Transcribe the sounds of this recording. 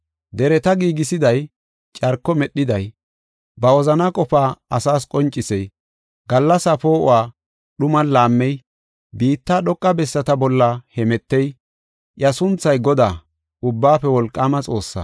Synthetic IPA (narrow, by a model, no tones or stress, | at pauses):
d̪ɛɾɛt̪ɐɡiːɡɪsɪd̪ɐj | t͡ʃʼɐɾkːɔmɛɗːɪd̪ɐj | bɐwɔzɐnɐkʼɔpaːɐsaːskʼɔnt͡ʃʼːɪsɛj | ɡɐlːɐsɐpo̞ːʔʊ̰waː | ɗʊmɐnlaːmːɛj | biːt̪ːaːɗɔkʼːɐbɛsːɐt̪ɐbɔlːɐhɛmɛt̪ːɛj | ʔjɐsʊnt͡sːɐjɡɔd̪aː | ʊbːaːfɛwɔlkʼːaːmɐt͡sʼo̞ːsːɐ̰